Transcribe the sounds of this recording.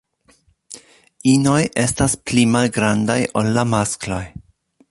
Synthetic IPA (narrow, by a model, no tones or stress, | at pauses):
ino̞jʔe̞stasplimalɡɾandajʔolːamasklo̞j